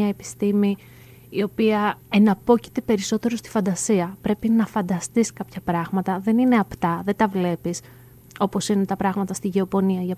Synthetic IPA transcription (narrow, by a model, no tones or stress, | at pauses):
ɐe̞pi̥st̪imiː | o̞piɐe̞nɐpo̞ci̥t̪epe̞ɾiso̞t̪e̞ɾost̪i̥fɐnd̪ɐsiɐpɾe̞pinɐfɐnd̪ɐst̪iskɐpçɐpɾɐɣmɐt̪ɐðe̞nine̞ɐpt̪ɐðe̞t̪ɐvle̞pis | o̞po̞sine̞t̪ɐpɾɐɣmɐt̪ɐst̪iʝe̞opo̞niɐʝɐ